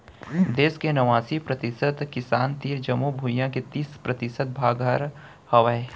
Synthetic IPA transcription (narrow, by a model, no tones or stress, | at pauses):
d̪eːskenɐʋaːsipɾɐt̪ɪsət̪kɪsaːnt̪iːɾd͡ʒɐmubʱujãket̪iːspɾɐt̪ɪsət̪̚bʱaːɡɦəɾ | hɐʋəe